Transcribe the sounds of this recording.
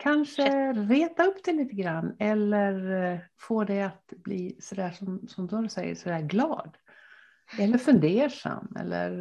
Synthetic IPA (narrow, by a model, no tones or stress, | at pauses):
kʰanʂəɾeːt̪aɵpːd̪ɛliːt̪əɡɾanːɛlːəɾfoːd̪ɛat̪bliːsɔd̪æːʂɔmsɔmd̪ɾsɛjːə̰ʂɔd̪æːɾɡlɑ̰ːd̪ | ɛlːəɾfɵnd̪eːʂa̰mːɛ̰lːə̰ɾ